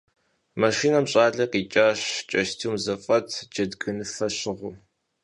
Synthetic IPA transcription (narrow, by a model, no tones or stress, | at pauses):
maʃiːnɐmɕʼaːɮɐqiːt͡ʃʼaːɕt͡ʃʼɐʃtʰiːmzɐfʼɐtʰd͡ʒɐdɡɨnɨfɐɕɪʁʷʊ